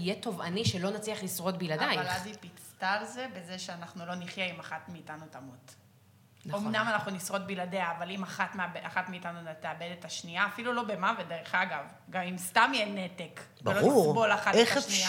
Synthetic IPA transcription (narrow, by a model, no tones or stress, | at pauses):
ijet̪o̞vaniʃelo̞nat͡sliaχlisʁo̞t̚bilad̪ajvalazipit͡st̪alze̞be̞zeʃeanaχnulo̞niχjaimaχat̪miːtanutamut | nomnamanaχnunisʁo̞t̪̚biladeaːvalimaχatmeabaχatmiːtanuteabe̞detaʃniaːfilulo̞be̞mavedeʁeχaɡav | ɡamimst̪amjenetek | vbelouibo̞laχatʃnia